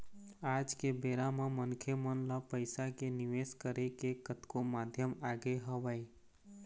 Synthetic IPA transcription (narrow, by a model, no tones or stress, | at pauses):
aːd͡ʒkebeːɾamemənkʰemənləpəɪsakenɪʋeskəɾekekət̪komaːd̪ʱjəmaːɡeɦəʋəi